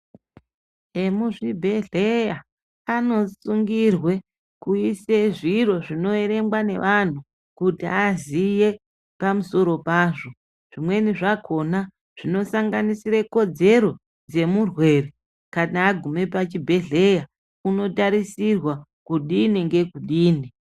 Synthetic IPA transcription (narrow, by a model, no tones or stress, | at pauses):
emuʐibʱe̞ɮeja | ano̞suŋɡirwe̞ | kuiseʐiro̞ʐino̞e̞ɾe̞mɡwane̞̰ʋan̤u | kutḭazije̞ | pamuso̞ɾo̞paːʐo̞ | ʐ̥imwe̞niʐakʰo̞na | ʐ̥ino̞saŋɡanisiɾeko̞d͡ze̞ɾo̞ | d͡ze̞murwe̞re | kanaːɡʱume̞p̬at͡ʃibʱe̞ɮe̞ja | uno̞taɾisirwa | kuɗiniŋɡe̞kuɗiːni